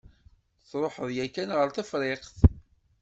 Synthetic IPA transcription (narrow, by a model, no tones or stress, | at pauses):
t͡sɾˤoħəðjækænʁəɾθæfɾˤeqθ